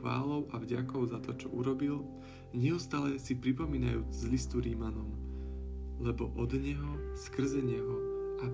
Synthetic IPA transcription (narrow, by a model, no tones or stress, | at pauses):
ʋa̰ːlɔʊʔavɟakɔʊzat̪ɔt͡ʃɔʔuɾɔbil | ɲɛust̪aːlɛsipɾipɔmiːnajuːd͡zzlist̪uɾimanɔm | lɛbɔʔɔd̪ɲɛɦɔskr̩zɛɲɛɦɔa